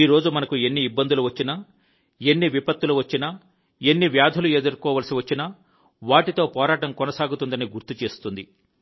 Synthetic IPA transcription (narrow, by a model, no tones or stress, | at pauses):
iːɾo̞ːd͡ʒumɐnɐkue̞nːiːbːɐnd̪uluʋɐt͡ʃːinɐ | e̞nːiʋipɐt̪ːuluʋɐt͡ʃːinɐ | e̞nːiʋjaːd̪ʱɐlued̪uɾkɔːʋɐlɐsiʋɐt͡ʃːinɐ | ʋaːʈit̪o̞ːpɔːɾaːʈɐmkɔnɐsaːɡut̪und̪ɐniɡuɾt̪ut͡ʃe̞ːst̪und̪i